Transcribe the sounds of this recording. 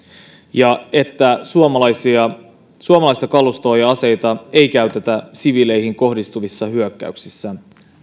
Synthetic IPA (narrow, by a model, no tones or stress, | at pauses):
jɑe̞t̪ːæsuomɑlɑsiɑ | suomɑlɑist̪ɑkɑlust̪oːjɑɑse̞jt̪ɑe̞jkæyt̪et̪æsiʋile̞jɦiŋko̞hdist̪uʋisːɑɦyøkːæ̰yksisːæ